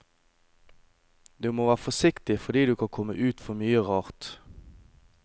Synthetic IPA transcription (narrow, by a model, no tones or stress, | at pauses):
d̪̥ʉːmoːʋæːʁəfɔsɪkt̪ɪfɔd̪iːd̪ʉːkʰɑnkʰɔmə̰ʔʉːt̪fɔmyːəʁɑːʁt̪